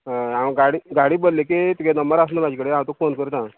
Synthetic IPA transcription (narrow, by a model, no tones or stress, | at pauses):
amɡaɽiːɡaɽiːbollek̬et̪ikenəmbəɾas̬nəmad͡ʑikəɽeãwt̪okfonkəɾət̪ã